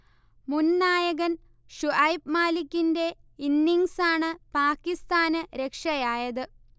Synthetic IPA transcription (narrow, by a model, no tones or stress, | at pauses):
munnaːjɐɣɐn | ʂuʔɐjpmaːlikʲːinde̞inːiŋsaːɳɨpaːkːist̪aːnɨɾe̞kʂɐjaːjɐðɨ